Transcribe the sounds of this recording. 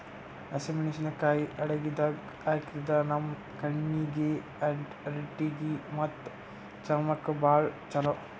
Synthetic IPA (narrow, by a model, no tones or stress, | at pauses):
ɐsemineːʃɐnɐkaːjiʔɐɽeɡid̪ɐ | aːjkiɾɐd̪ɐnɐmː | kɐɳːiɡe | ɐɳʈ | ɾeʈːiɡimɐt̪ː | t͡ʃɐmɐkːɐbaːɾt͡ʃɐlo